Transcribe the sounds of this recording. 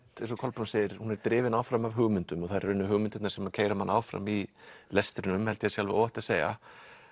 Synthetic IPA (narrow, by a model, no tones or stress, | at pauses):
t̪ɛnsɔkʰɔlpɾunseːjɪɾ̥hunɛɾt̪ɾɪːvɪnaːwfɾamavɦʏɣmʏnt̪ʏmɔθaɾɛɾœnːʏɦʏːɣmʏnt̪ɛt̪nḁɾsɛmacʰeːjɾamanʔa̰ːwfɾa̰milɛst̪ɾɪnʏmhɛlt̪jɪasjalvɪo̰wɛht̪aseːjɣa̰